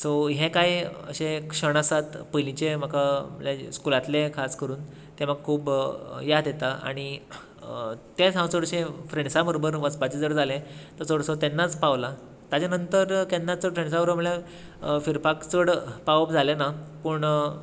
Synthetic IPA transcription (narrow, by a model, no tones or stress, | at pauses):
soɦẽkajə̰ɕẽkʂəɽ̃əsat̪pəjlit͡ɕem̤əkʰaməljaskulat̪lekʰaskəɾuːn | t̪eməɡ̚kʰuːbjad̪jet̪aa̰ɽ̃i | t̪et͡sãwt͡səɽəɕẽfɾeɳsabəɾobəɾʋəspat͡ɕed͡zəɽd͡zʱalẽt̪əɾt͡səɽsot̪enːat͡spaʋla | t̪jat͡ɕanənt̪əɾt̪enːat͡səɽfɾeɳs̬abəɾməɭja | fiɾpakt͡səɽpaʋəp̚d͡zʱalenapəɳ